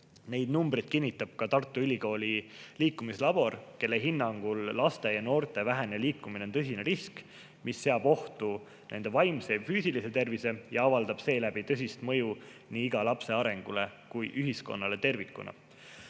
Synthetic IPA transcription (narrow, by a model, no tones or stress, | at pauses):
ne̞jd̪̥numbrid̪̥̚kinʲːit̪ːˑɑb̥̚kɑt̪ɑrt̪ˑːuylʲiko̞ːlʲiliːkːˑumislɑb̥o̞rke̞lːeɦinːɑŋɡ̥ulːɑst̪e̞jɑno̞ːrt̪ˑe̞væɦe̞neliːkːˑumineont̪ɤsʲineɾisk | misːe̞ɑb̥o̞ht̪u | nʔe̞nd̪̥e̞vɑjmse̞fyːsilise̞t̪e̞rvise̞jɑɑvɑld̪̥ɑb̥se̞ːlæb̥it̪ɤsʲist̪mɤ̞juniːiɡ̥ɑlɑpse̞ɑɾe̞ŋɡ̥ulekujʔyɦisko̞̰nːɑle̞t̪e̞rvikːˑṵnʔɑ̰